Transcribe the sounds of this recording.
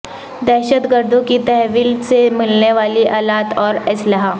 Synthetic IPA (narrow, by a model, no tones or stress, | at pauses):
d̪ɛːʃət̪ɡəɾd̪õkit̪ɛɦʋiːlsemɪlneʋaːliʔaːlaːt̪ɔːɾɪslaɦa